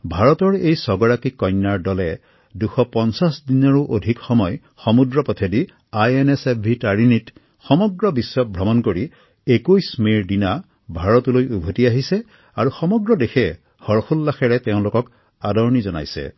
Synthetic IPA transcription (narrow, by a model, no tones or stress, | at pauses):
bʱaɹɔtɔɹejsɔɡɔɹakikːɔjnːaɹdɔlɛ | duxɔpɔnsasdinɔɹuʔodʱikxɔmɔj | xɔmudɹɔpɔt̪ʰedi | ajenesep̚bʱitaɹinit | xɔmɔɡɹɔbisːɔp̚bʱɹɔmɔnkoɹi | ekujsmiɹdina | bʱaɹɔtulojubʱotiaɦisɛ | aɹuxɔmɔɡɹɔdexɛ | hɔɹxʰulːaxɛɹɛteʊ̃lʊkɔk | adɔɹnizɔna̰jsɛ̰